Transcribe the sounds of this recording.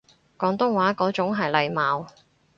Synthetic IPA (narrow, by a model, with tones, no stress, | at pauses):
kɔː˨˥ŋt̪ʊ˥ŋwaː˨˥kɔː˨˥t͡sʊ˨˥ŋɦɐ˨jlɐ˨˧jmaː˨˧w